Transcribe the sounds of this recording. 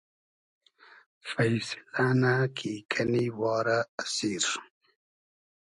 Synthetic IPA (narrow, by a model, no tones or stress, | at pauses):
fajsɪ̥lanakʰikʰaniwɑːɾaːsiɾ